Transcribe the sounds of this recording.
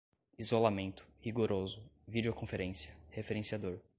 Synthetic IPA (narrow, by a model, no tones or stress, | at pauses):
izolamẽnt̪ʊ̥hiɡoɾozʊvid͡ʒeokõfeɾẽsiɐhefeɾẽsiad̪oɾ